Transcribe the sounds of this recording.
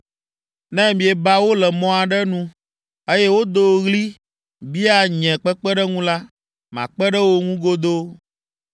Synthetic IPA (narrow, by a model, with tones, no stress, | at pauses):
nɛ̃˦mĩ˨ɛ˨ba˦wo˦lɛ˨mɔ̃˦a˨ɖɛ˦nũ˦ | e˦jɛ˦wo˦d̪o˨ɣli˦ | bi˦a˦˨ɲɛ̃˨k͡pɛ˦k͡pɛ˦ɖɛ˦ŋũ˦la˦ | mã̰˨k͡pɛ˦ɖɛ˦wo˦ŋũ˦ɡo˦d̪o˦